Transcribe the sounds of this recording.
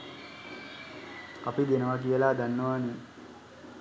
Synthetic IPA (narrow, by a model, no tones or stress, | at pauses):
apid̪enəʋak̬ijəlaːd̪anːəʋane